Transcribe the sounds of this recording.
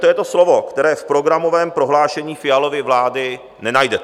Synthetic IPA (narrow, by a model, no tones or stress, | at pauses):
t̪ojɛt̪o̞slo̞vo̞kt̪ɛɾɛːfpɾo̞ɡɾamo̞vɛːmpɾo̞ɦlaːʃɛɲiːfɪjalovɪvlaːdɪ | nɛnajdɛt̪